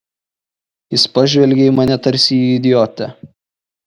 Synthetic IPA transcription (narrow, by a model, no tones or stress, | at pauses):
jɪspɐʒʲʋʲɛlʲɡʲɛɪmɐnʲɛt̪ɐɾʲsʲɪɪd̪ʲɪjɔt̪ʲɛ